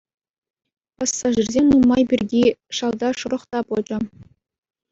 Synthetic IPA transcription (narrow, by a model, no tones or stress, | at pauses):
pɑsːɑʐirʲzʲemʲnumːɑjbʲirʲdʲiʂɑlˠd̪ɑʂɤ̆ɾɤ̆χt̪ɑpod͡ʑɤ̆